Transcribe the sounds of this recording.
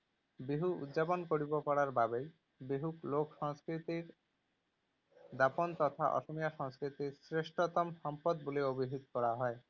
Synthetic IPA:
biɦuṵd̪ʑaponkoɽibokɔɽaɾbabej | biɦuklokʃɔŋskɾit̪iɾ | d̪apont̪ɔt̪ʰaʔɔ̰ʃomijaʃɔŋskɾit̪iɾsɾeʃʈot̪omʃɔmpod̪̚boleobiɦit̪kɔɽaɦɔe

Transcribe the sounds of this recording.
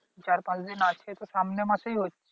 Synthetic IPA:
t͡ʃaːɾpãt͡ʃd̪ɪnat͡ʃʰet̪osaːmnemãseɦiɦotː

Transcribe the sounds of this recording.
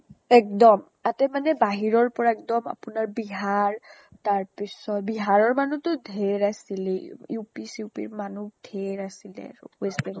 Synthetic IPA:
ɛk̚dɔm | atɛmanɛbaɦiɹɔɹpɔɹaɛk̚dɔma̰pʊnaɹbiɦaɹ | taɹpisɔt̚biɦaɹɔɹmanutʊdʱeɹasilɛjupisiupḭɹmanud̥ʱeɹasilɛ̰ɹʊ̰wesbɛn

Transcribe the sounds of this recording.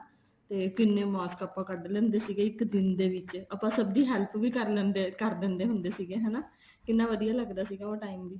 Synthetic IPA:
t̪eːkɪnːeːmɔːskəpːãːkəɖlɛ̃ːnd̪eːsiːɡeːɪkd̪ɪnd̪eːʋɪt͡ʃəpãːsəbd̪iːɦɛːlpʋiːkəɾlɛ̃ːnd̪ekəɾd̪ẽːnd̪eːɦʊ̃nd̪eːsiːɡeːɦɛːnaː | kɪnːãːʋəd̪ijaːləɡd̪aːsiːɡãːoːʈaːimb̪iː

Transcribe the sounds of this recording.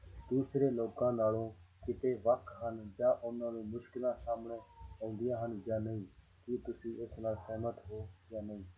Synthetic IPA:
d̪uːsɾeːloːkãːnaːlõːkɪt̪eːʋəkɦənd͡ʒaːʔʊnãːnũːmʊʃkɪlãːsaːmɳeːõːnd̪ɪjãːɦənd͡ʒaːnəĩː | kit̪ʊsĩːʔɪsnaːsɛːmət̪ɦoːjaːnəĩː

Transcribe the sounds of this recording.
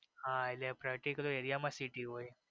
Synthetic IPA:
hãilepɾakʈikɐlojeɾijamasiʈiɦoj

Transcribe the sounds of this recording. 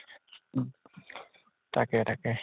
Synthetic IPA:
t̪akeɾake

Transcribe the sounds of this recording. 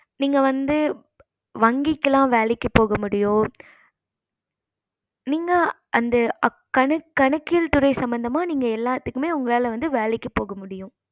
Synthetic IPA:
niːŋɡɐʋɐnd̪ɯ | ʋɐŋɡɪkːɐlãːʋeːlɛkːɯpoːɣɐmʊɽɪjõː | niːŋɡɐ | ʔɐnd̪ɐ | kɐɳɐkːɐɳɐkːɪlt̪ʊɾɐɪsɐmbɐnd̪ɐmaːniːŋɡɐɛlːaːt̪ːɯkːɯmeːʊŋɡɐɭaːlɐʋɐnd̪ɯʋeːlɐkːɯpoːɣɐmʊɽɪjʊ̃

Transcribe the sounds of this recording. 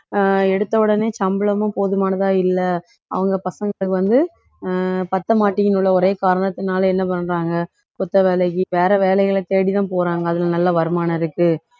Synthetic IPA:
ɛɽɯt̪ːɐʋɯɽɐneːt͡ʃɐmbɯɭɐmʊ̃poːðɯmaːnɐðaːɪlːɐ | ɐ̰ʋɐŋɡɐpɐsɐŋɡɐɭɯkːɯʋɐnd̪ɯ | pɐt̪ːɐmaːʈːɪjɪnɯɭːɐɔɾeːkaːɾɐɳɐt̪ːɪnaːlɐɛnːɐp̬ɐnːɾaːŋɡɐ | kɔt̪ːɐʋeːlɐkːiʋeːɾɐʋeːlɛɪɣɐɭɐt̪eːɽit̪ãːpoːɾaːŋɡɐːðɪlɐnɐlːaʋɐɾɯmaːnɐɪɾɯkːɯ

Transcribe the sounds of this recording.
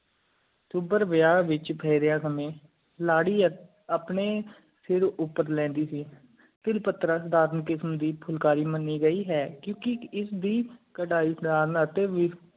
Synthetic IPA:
t̪uːbəɾʋəjaːʋɪt͡ʃpʰɛːɾjãːkəmẽː | laːɽiː | aːpɳeː | sɪɾʊpːəɾlɛ̃ːnd̪iːsiː | t̪ɪlpət̪ɾaːsəd̪aːɾnkɪsmd̪iːpʰʊlkaːɾiːmənːiːɡəiːɦɛːkjõːkɪɪsd̪iːkəʈaːiːsəd̪aːɾənət̪eːʋɪ

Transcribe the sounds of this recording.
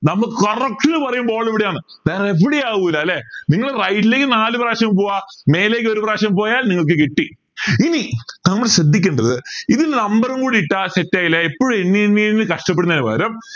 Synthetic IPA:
nɐmːɐɭkɐrɐk̚ʈinɨpɐrɐjumboːɭːeʋiɽejaːɳɨ | d̪aːjɐrepːiɽijaːɣuilːɐlːeniŋːɐɭrɐjʈːileːkːɨnaːlɨpɾaːʂɐmpoːʋame̞ːle̞ːk̬ːɨo̞ɾupraːʂɐmpo̞ːjaːlniŋːɐɭk̬ɨkiʈːi | init̪ɐŋmːɐlɕrɐd̪ʱːikʲːeɳɖɐðɨiðilnɐmbɐrumkuːɽiiʈːaɕetːaːjilːeepːoːɻumenːienːienːɨkɐʂʈɐp̬ːeɽunɐnuba̰ːɾɐm

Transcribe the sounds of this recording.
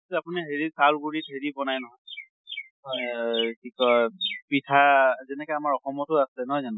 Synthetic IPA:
tɛapuniɦeɹisalɡuɹitɦeɹibɔnajnɔɦɔj | tʰikɔpitʰazɛnɛkɔamaɹɔxɔmɔtʊaslɛnɔɦɔjzan

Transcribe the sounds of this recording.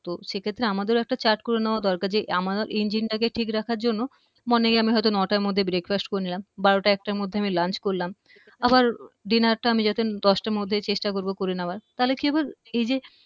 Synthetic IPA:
t̪oʃekʰet̪ːɾeamad̪eɾoɛk̚ʈat͡ɕaɾʈkoɾeneoad̪ɔɾkaɾd͡ʑeʔamaaɾʔind͡ʑinʈakeʈʰikɾakʰaɾd͡ʑonːo | moneɡamiɦɔjt̪̬onɔʈaɾmod̪ʱːebɾekfasʈ̚koɾenilambaɽoʈaɛk̚ʈaɾmod̪ʱːeamilant͡ɕkoɾlam | abaɾɖinaɾʈaamid͡ʑat̪ed̪ɔʃʈamod̪ʱːet͡ɕeʃʈakoɾbokoɾenaoaɾt̪aɦlekiabaɾejd͡ʑe

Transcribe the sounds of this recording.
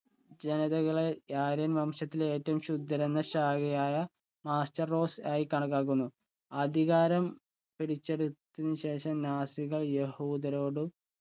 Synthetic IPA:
d͡ʑe̞nɐðɐɣɐɭejaːɾɐnmɐmʂɐt̪ːile̞ːtːɐʋumɕud̪ʱːɐɾenːɐɕaːɣɐjaːjɐ | maːstɐro̞ːsaːjikɐɳɐkːaːk̬ːunːu | ɐd̪ʱiɣaːɾɐm | piɽit͡ɕːe̞ɽut̪ːinːɨɕe̞ːʂɐmnaːsiɣɐɭje̞huːd̪ɐɾo̞ːɽu

